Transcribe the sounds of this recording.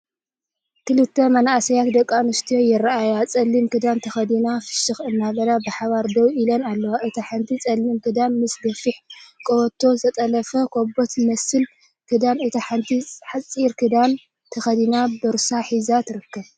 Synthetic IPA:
kɨlɨt̪ʰːɐmɐnaasɐjat̪d̪ɐkʼːanɨst̪ʰijojɪraajat͡sʼɐlːimkɨd̪ant̪ʰɐxɐd̪inafɨ̥ʃɨxɨnːaβɐlabɨħaβaɾd̪ɐwʔilɐnalːɐwaʔɨt̪ʰaħant̪ʰit͡sʼɐlːimkʰɨd̪anmɨsd̪ɐfiħkʼoɔt̪ʰːo̞zɐt̪ʼɐlɐfɐkʰobot̪mɐsɨl | kɨd̪anɨt̪ʰaħant̪ʰiħat͡sʼiɾkʰɨd̪an | t̪ʰɐxɐd̪inabɨɾsaħizat̪ʰɨɾɨkːɐβ

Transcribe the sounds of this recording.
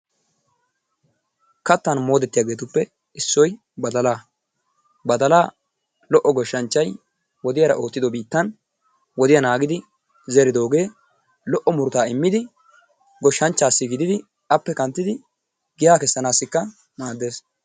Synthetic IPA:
kɐt̪ːɐnmo̞ːd̪ɛt̪ːɪjaːɡe̞ːt̪ʊpːɛ | ɪsːɔj | bɐd̪ɐlaː | bɐd̪ɐlaː | lɔʔːɔɡɔʃːɐnt͡ʃːɐj | wɔd̪ɪjɐɾɐ̰ʔo̞ːt̪ːɪd̪ɔbiːt̪ːɐn | wɔd̪ɪjɐnaːɡɪd̪ɪ | zɛɾɪd̪o̞ːɡe̞ː | lɔʔɔmʊɾʊt̪aːɪmːɪd̪ɪ | ɡɔʃːɐnt͡ʃːaːsːɪɡɪd̪ɪd̪ɪ | ɐpːɛkɐnt̪ːɪd̪ɪ | ɡɪjaːkɛsːɐnaːsːɪkːɐ | maːd̪ːe̞ːs

